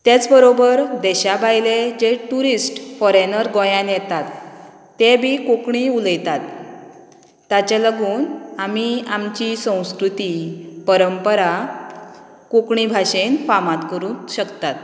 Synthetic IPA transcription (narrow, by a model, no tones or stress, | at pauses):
t̪at͡sbəɾobəɾd̪ɛɕabʱajled͡ʑeʈuɾisʈfɔɾenəɾɡɔ̃jãnjɛt̪at̪ː | ebʱikokɳiuləjt̪at̪ | at͡ɕaləɡuːnamiamt͡ɕisə̃w̃skɾut̪ipəɾəmpəɾa | kukɳibʱaɕenfamãt̪kəɾũːɕəkt̪at̪